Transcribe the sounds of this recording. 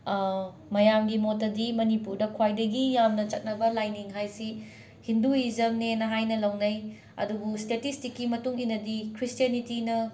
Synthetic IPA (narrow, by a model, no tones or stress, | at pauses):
mɐjamɡimotːɐdimɐnipuɾdɐkʰwajdɐɡijamnɐt͡ʃɐt̚nɐbɐlajniŋɦajsi | hinduizɐmnenɐɦajnɐlɐwnɐj | ɐ̰dubustetistikːimɐtuŋinːɐdikʰɾistijɐnitinɐ